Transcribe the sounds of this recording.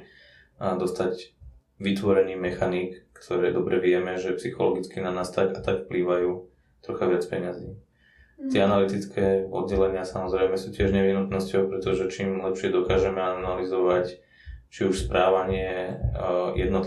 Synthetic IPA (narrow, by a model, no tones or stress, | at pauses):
d̪ɔst̪aɟ | ʋit̪ʋɔɾɛniːmɛxanikːt̪ʰɔɾɛːd̪ɔbɾɛʋɪɛmɛʒɛpsixɔlɔɡit͡skinanaːst̪akat̪akfpliːʋajuː | t̪ɾɔxaʋɪat͡spɛɲaziː | t̪ɪɛanalit̪it͡skʰɛːɔ̰d̪̚ɟɛlɛɲɪasamɔzɾɛɪmɛsuːcɪɛʒɲɛʋiɦnut̪nɔscɔʊpɾɛt̪ɔʒɛt͡ʃiːmlɛpʃɪɛd̪ɔkaːʒɛmɛanalizɔʋac | t͡ʃiuʃspɾʔaːʋaɲɪɛ | jɛ̰d̪nɔt̪